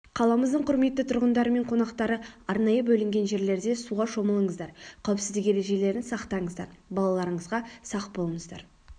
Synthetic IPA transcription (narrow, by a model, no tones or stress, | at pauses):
qʰɑlˠɑməzd̪əɴqʰʊɾme̞t̪ːɪt̪ʰʊɾʁənd̪ɑɾəme̞ɴqʰo̞nɑqt̪ɑɾəɑɾnɑjəbɵlɪŋɡʲe̞nʒe̞ɾle̞ɾd̪e̞suʁɑʃo̞məlˠəɴəzd̪ɑɾqʲʰæwpsɪzd̪ɪke̞ɾe̞ʒe̞le̞ɾɪnsɑqt̪ɑɴəzd̪ɑ̰ɾbɑlˠɑlˠɑɾəɴəzʁɑsɑqbo̞lˠəɴəzd̪ɑ̰ɾ